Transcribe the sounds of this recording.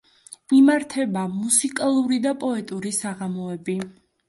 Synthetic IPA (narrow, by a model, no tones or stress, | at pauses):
imaɾt̪ʰɛbamusikʼalˠuɾid̪apʼɔɛt̪ʼuɾisaʁamɔɛbi